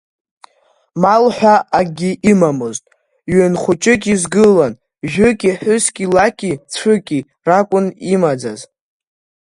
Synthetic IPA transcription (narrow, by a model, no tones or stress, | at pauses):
malħʷᶣaaɡʲiʔimamoztʼ | ɥønχʷʊt͡ʃʼɪkʲʼizɡɨlan | ʒᶣʊkʲʼiħʷᶣʊskʲilakʲʼit͡sʷʰɨkʲʼi | rakʷʼʊnimad͡za̰z